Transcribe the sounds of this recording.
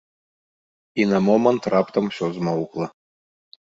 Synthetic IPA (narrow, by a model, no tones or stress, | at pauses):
inɐmɔmɐnt̪ɾɑpt̪ɐmsʲɔzmɔwklˠɐ